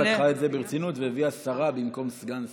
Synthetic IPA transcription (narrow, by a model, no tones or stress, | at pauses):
aχaetzebeʁt͡sinut̪veeviasaʁabimko̞msɡans